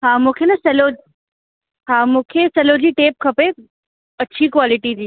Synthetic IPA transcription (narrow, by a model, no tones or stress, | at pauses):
ɦaːmũːkʰenɐsɐlo | ɦaːmũːkʰesɐlod͡ʑiːʈeːp̚kʰɐpe | ɐt͡ɕʰikwaːlɪʈid͡ʑiː